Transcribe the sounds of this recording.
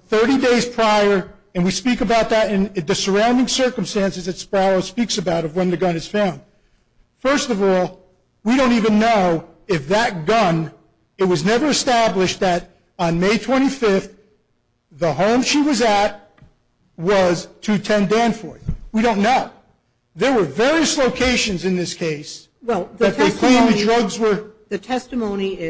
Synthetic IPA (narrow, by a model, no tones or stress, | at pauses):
θɜ˞ɾideɪz̥pʰɹ̥aɪə˞ | ɨ̃nwispikɨbaʊt̪̚ðɨɾɨ̃nɨ̃ðɨsə˞ãʊ̃ndɪ̃ŋsɜ˞km̩stæ̃nsɨzðɨtspɹɑlˠoʊspiksɨbaʊɾʌvwə̃nðɨɡʌ̃nɨz̥fãʊ̃nd̥ | fɜ˞stʌvɔlˠ | wiɾõʊ̃ntivɨ̃nːoʊ | ɪfðɨt̚ɡ̥ʌ̃n | ɨt̚wʌznɛvə˞ɨstæblɨʃt̪̚ðɨɾ | n̩meɪtʰw̥ɛ̃ɾ̃ifɪfθ | ðəɦõʊ̃mʃiwʌzɨt̚ | wʌz̥tʰɨtʰɛ̃ndæ̃nfɔɹθwiɾõʊ̃nːoʊ | ðə˞wə˞vɛɹiɨsloʊkʰeɪʃɨ̃nzɨ̃nðɪskʰeɪs | wɛlˠððɨtʰðekʰl̥ĩmɨdɹʌɡzwə˞ðɨtʰɛstɨmõʊ̃niɪ